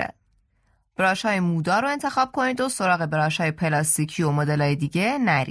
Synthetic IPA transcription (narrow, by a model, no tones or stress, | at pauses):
æ̰ | b̥ɾɒːʃhɒːjemuːd̪ɒːɾoe̞nt̪ʰe̞xɒːb̥̚kʰo̞niːd̪oso̞ɾɒːɣe̞bɾɒːʃhɒːjepʰe̞lɒst̪iːcʰiːomod̪elɒːjed̪iːɟenæɾḭ